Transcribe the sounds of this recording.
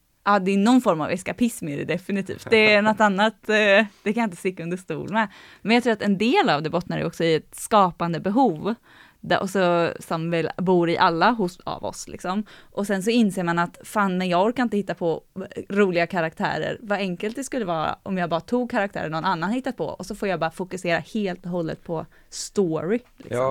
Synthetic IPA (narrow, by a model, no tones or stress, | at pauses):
ʔɑːd̪ɛnɔnːfɔɾma̰vɛskapʰɪsmɪd̪ɛd̪ɛfɪnɪt̪ʰḭːft̪d̪ɛːnɔt̪ːanːat̪d̪ɛkʰanjaɪnt̪əst̪ɪkːaɵnd̪əʂt̪ṵːlmɛ | mɛnjɑkt̪ɾuːɾat̪ɛnd̪eːlavd̪ɛbɔt̪naɾɛ̰ɔksɔɪɛt̪skɑːpand̪əbɛɦuːv | d̪æʔɔ̰sɔsɔmvɛlbuːɾɪʔalːaɦʊsa̰vɔ̰slɪ̰ksɔmʔɔsɛns̬ɔɪnseːɾmanat̪faːnmɛjɑɔɾkːanɪnt̪əhɪt̪ːapʰɔɾuːlɪɡakʰaɾak̚t̪ʰæ̰ːɾə̰ɾvaɛŋkəlt̪d̪ɛskɵlːəvɑːɾa̰ʔɔmjɑːbɑːɾat̪ʰuːɡ̚kʰaɾak̚t̪ʰæ̰ːɾəɳnɔnanːanhahɪt̪ːat̪̚pʰɔ̰ɔsɔfoːɾjaːbɑːɾafʊkɵseːɾaheːlt̪ɔɦɔlːə̰t̪̚pʰɔ | st̪oːɾɪlɪ̰sɔmm